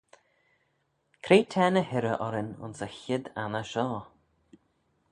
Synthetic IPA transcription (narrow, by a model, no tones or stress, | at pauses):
kʰɾeːtʰɛːnəhɪɾəʔɔɾɪnʊ̰nsəçɪd̪anəʃɔː